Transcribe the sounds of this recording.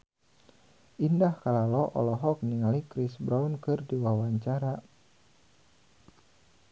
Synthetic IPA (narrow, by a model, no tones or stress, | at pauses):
ʔindahkalalɔʔɔ̰lɔɦɔk̚niŋalikɾisbɾaunkɨrdiwawaɲt͡ʃaɾa